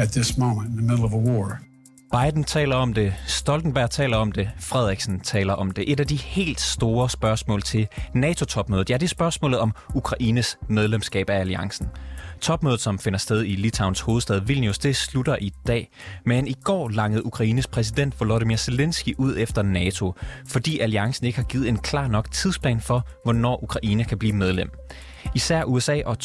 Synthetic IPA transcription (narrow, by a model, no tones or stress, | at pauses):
ɨt̪̚ðɪsmõʊ̃mə̃ntɪ̃n̩ðəmɪɾl̩ˠʌvəwɔɹ | b̥ɑ̈ɪd̥n̩t͡sʰɛ̰ːlɐɒ̽md̥e̝sd̥ɒ̽ld̥n̩b̥æɐt͡sʰɛ̰ːlɐɒ̽md̥e̝fʁɛð̞̰ˠiɡ̥sn̩t͡sʰɛ̰ːlɐʔɒ̽md̥e̝ʔe̝dæd̥ihe̝̰ːld̥sd̥o̝ːɐsb̥ɶɐsmɔ̰̽ːlt͡sʰe̝lnɛːt͡sʰo̝t͡sʰɒ̽b̥mø̰ːð̩ˠjæd̥isb̥ɶɐsmɔ̰̽ːlð̞̩ˠɒ̽mukʰʁɑ̈ʔiːnəsmeð̞ˠlemsɡ̥ɛ̰ːb̥ææliɑ̈ŋsn̩t͡sʰɒ̽b̥møːð̩ˠsɒ̽mfe̝nɐsd̥eð̞ˠilit͡sʰɑ̈ʊnsho̝ːð̞̩ˠsd̥ɛð̞ˠʋilnjusd̥e̝slud̥ɐʔid̥ɛ̰ː | meniɡ̥ɒ̰ːlɑ̈ŋəð̞̩ˠukʰʁɑ̈iːnəspʰʁɛs̬id̥en̰d̥ʋoloðimiɐse̝lensɡ̥iʔuð̰ˠefd̥ɐnɛːt͡sʰo̝fɒ̽d̥ḭːæliɑ̈ŋsn̩e̝ɡ̥əhɑ̈ɡ̥iːð̩ˠe̝nkʰlɑ̈ːnɒ̽ɡ̥t͡sʰið̞̰ˠspʰlɛ̰ːnfɒ̽ | ʋɒnɒ̰ːʔukʰʁɑ̈ʔiːnəkʰæb̥lḭːmeð̞ˠlem̰ | isæɐ̰ʔuesɛ̰ːʔɒ̽